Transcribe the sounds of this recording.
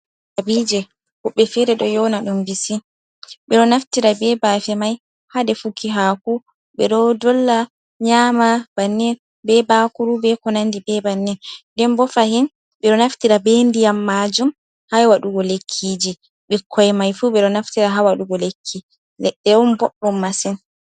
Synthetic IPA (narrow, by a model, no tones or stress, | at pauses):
ʔabid͡ʒɛ | hɔɓːɛfɛɾɛɗɔjɔnaɗumbisi | ɓɛɗɔnaftiɾabɛbafɛmaj | hadɛfukiɦaku | ɓɛɗɔdɔlːa | ɲamab̥anːɛn | bɛbakuɾubɛkɔnandibɛbanːɛnndɛmbɔfahin | ɓɛɗɔnaftiɾabendijamːad͡ʒum | hawaɗuɡɔlekʰːid͡ʒi | ɓɛkʰːɔjɛmajfuɓɛɗɔnaftiɾaɦawaɗuɡɔlekʰːi | lɛɗːɛwɔnbɔɓːɔmːasɛn